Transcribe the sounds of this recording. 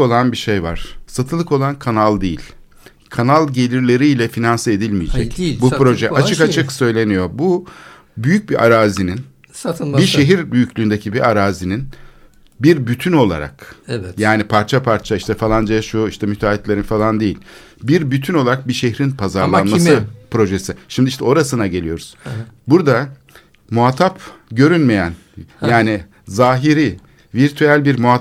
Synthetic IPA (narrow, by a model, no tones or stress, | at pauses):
olˠanbiʃe̞jva̰ɾ̥sat̪ʰɯlˠɯko̞lˠankʰanalˠd̪ejilʲ | kʰanalˠɟe̞lʲiɾlʲe̞ɾiːlʲɛfinansɯe̞d̪ilʲmijed͡ʒɛ̰cbupɾo̞ʒɛat͡ʃʰɯkat͡ʃʰɯksø̞jlʲe̞nijo̞bu | byjyc̚biʔaɾaːzinin | biʃe̞ɦiɾbyjycʰʲlʲyːnd̪ecʰibiʔaɾaːzinin | biɾbyt̪ʰyno̞lˠa̰ɾa̰kjaːnipʰaɾt͡ʃʰapʰaɾt͡ʃʰaiʃt̪ʰɛfalˠand͡ʒeʃuiʃt̪ʰɛmyt̪ʰaːit̪lʲe̞ɾinfalˠand̪ejḭlʲ | biɾbyt̪ʰyno̞lˠaɾak̚biʃeɦɾinpʰazaɾlˠnmasɯpɾo̞ʒesiʃimd̪iiʃt̪ʰɛo̞ɾasɯnaɟe̞lʲijo̞ɾuz̥buɾd̪a | muɦat̪ʰapɟø̞ɾynmejæn | jaːni | zaːɦiɾi | viɾt̪ʰyælʲbiɾmua